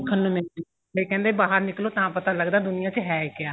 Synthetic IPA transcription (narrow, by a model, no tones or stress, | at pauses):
kʰənːõmɛ̃ː | kəiːkɛ̃ːnd̪eːbaːɦəɾnɪkloːt̪ãːpət̪aːləɡd̪aːd̪ʊnɪjãːt͡ʃɦɛːkɪjaː